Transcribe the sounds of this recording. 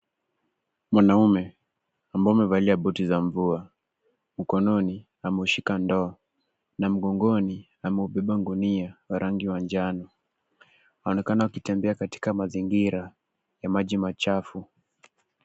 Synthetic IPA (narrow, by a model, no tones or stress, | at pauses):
mwanaumɛ | ambaumɛvaliaɓɔtizaɱvua | m̩kɔnɔni | amɛuʃikandɔa | nam̩ɡɔŋɡɔni | amɛuɓɛɓaŋɡuniawaɾaŋɡiwand͡ʒanɔ | aɔnɛkanaukitɛmbɛakati̥kamaziŋɡiɾa | jamaʄimat͡ʃafu